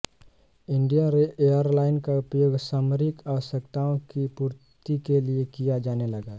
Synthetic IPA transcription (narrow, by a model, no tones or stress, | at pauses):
ɪ̃ɳɖijaɾeʔejəɾlaːɪnkaʊpjoːɡsaːməɾɪkaʋəʃəkt̪aːõkipuːɾt̪ikeliekijad͡ʒaːnelɐɡaː